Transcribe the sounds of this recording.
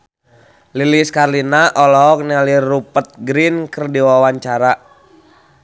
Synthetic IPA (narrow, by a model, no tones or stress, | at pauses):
liliskarlinaʔɔlɔɔk̚nalirːupət̪̚ɡɾinkərdiwawaɲt͡ʃaɾa